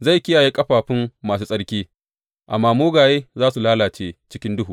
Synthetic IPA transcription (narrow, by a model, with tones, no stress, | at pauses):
za˦˨jkʲɪ˦jaː˨je˦kʼɐ˦ɸaː˨ɸɪ˦mːaː˨s̬uː˦sʼɐ˦ɽkʲiː˦ | ʔa˨mːaː˨moː˦ɡaː˨jeː˦zaː˦su˨laː˦laː˨t͡ʃeː˦t͡ʃɪ˦kʲɪ˦ndʊ˦ɦuː˨